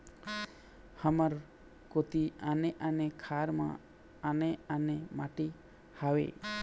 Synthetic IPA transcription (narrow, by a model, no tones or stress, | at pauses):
həməɾ | kot̪ianeʔanekʰaɾmã̰ | aneanemaʈi | hawḛ